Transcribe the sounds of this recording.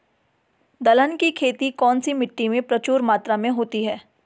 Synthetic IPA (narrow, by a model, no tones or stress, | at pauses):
d̪ɐlənkikʰeːt̪ikɔːnsimɪʈːimẽpɾɐt͡ʃuːɾmaːt̪ɾamẽɦoːt̪iɦɛː